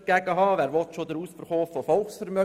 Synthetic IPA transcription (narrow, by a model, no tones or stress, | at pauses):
ɡ̥æɡ̥əɦɑːʋæːɾʋɔt̪ʃod̪əɾuːsfərχoːfɔfɔlˠχsfəɾmœ